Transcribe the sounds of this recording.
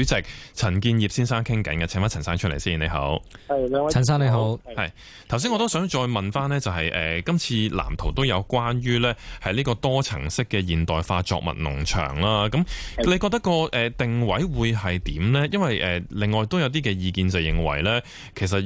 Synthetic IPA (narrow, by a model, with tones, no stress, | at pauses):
t͡sɛː˨˩k̚t͡sʰɐ˨˩nkiː˧njiː˨psiː˥nsaː˥ŋkʰɪ˥ŋkɐ˨˥nkɐ˨t͡sʰɛː˨˥faː˨˥ɐ˨˩nsaː˥ŋt͡ʃʰɵ˥lḛ˨˩jsiː˥ne˨˧jɦo̰˨˥wʰ | ɐ˨ns̬aː˥ne˧jɦo˨˦˨whɐ̰˨j | t̪ʰwsiː˥ŋɔ˧t̪o˥wsœː˨˥ŋt͡ʃɔː˧jmɐ˨nfaː˥nlɛː˥t͡sɐ˨wɦɐ˨jʔɛː˨kɐ˥mt͡sʰiː˧la̰ː˨˩mt̪ʰo˨˩wt̪o˥wjɐ˨˧wkwaː˥nɥyː˥lɛː˥hɐ˨jliː˥kɔː˧t̪ɔː˥t͡sʰɐ˨˩ŋsɪ˥kːɛː˧jiː˨nt̪ɔː˨jfaː˧t͡ʃɔ̰ː˧k̚mɐ̰˨t̚nʊ̰˨˩ŋt͡ʃʰœ̰ː˨˩ŋlaː˥kɐ˨˥mle˨˧kɔː˧k̚t̪ɐ˥kːɔː˧ʔɛː˨t̪ɪ˨ŋwɐ˨˥jwuː˨˧jɦɐ˨jt̪iː˨˥mlɛː˥jɐ˥nwɐ˨jʔɛː˨˩lɪ˨ŋːɔː˨jt̪o˥wjɐ˨˧wt̪iː˥kɛː˧jiː˧kiː˧nt͡sɐ˨wjɪ˨˩ŋwɐ̰˨˩jlɛː˥ | kʰe˨˩s̬ɐ˨t̚